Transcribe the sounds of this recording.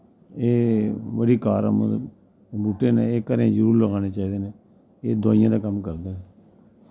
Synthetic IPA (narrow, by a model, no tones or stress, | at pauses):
eːʋəɽiːkaːɾ̰m | buːʈːeːneeːkəɾẽːd͡ʒəɾuːɾləɡaːneːt͡ʃaːiːd̪eːneː | eːd̪o̰ːɪjãːd̪aːkəmkəɾd̪eːnː